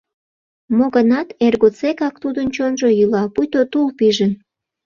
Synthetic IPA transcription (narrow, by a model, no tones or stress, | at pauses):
moɣənɑt̪erɣot͡sekɑk̚t̪ud̪ənt͡ɕonʒojylɑpujt̪ot̪ulpiʒən